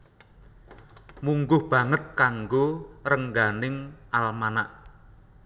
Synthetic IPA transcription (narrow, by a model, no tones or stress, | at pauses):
muŋɡʊhb̥a̤ŋət̪̚kaŋɡorəŋɡanɪŋʔalmanaʔ